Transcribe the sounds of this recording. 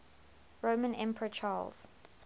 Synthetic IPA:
ɹoʊmə̃nɛ̃mpəɹət͡ʃʰɑːlz̥

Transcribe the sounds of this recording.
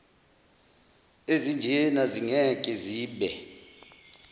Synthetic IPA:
ezind͡ʒʱɛnaziŋɛkʼɛziːɓɛ

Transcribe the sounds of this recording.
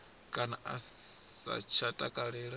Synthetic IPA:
kʼanaʔa̰sa̰t͡ʃʰatʼakʼaɺɛːɺa

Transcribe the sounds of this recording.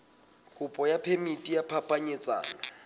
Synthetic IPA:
kʼʊpʼɔjapʰemitʼijapʰapʼaɲɪt͡sʼa̰ːna

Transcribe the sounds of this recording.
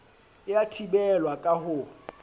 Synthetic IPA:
ɪjatʰibɛlwakʼahʊ

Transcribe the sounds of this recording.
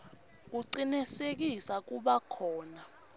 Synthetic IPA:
k̬uǀinisek̬isak̬uɓakʰɔːna

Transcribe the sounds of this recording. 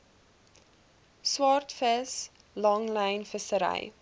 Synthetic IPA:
swɑrtfəs | lɐŋlɛjnfəsəɾɛ̰j

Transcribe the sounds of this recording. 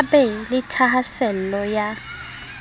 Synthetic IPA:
bɛlɪtʰaɦasɛl̩lɔja

